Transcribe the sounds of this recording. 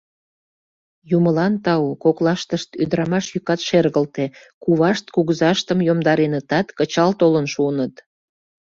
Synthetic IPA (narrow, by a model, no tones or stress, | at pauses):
juməlɑnt̪ɑukoklɑʃt̪əʃt̪yd̪əɾɑmɑʃjykɑt̪ʃerɣəlt̪e | kuβɑʃt̪̚kuɣzɑʃt̪əmjomd̪ɑɾenət̪ɑt̪kət͡ɕɑlt̪olənʃuənət̪